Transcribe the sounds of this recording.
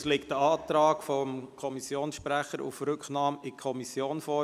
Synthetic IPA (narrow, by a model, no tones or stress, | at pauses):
slɪk̚t̚d̥əɑːt̪ɾɑːkfɔmkʰɔmisjoːnsʃpɾæχəɾṵfɾʏkχnɑːmɪkʰɔmisjoːnfɔː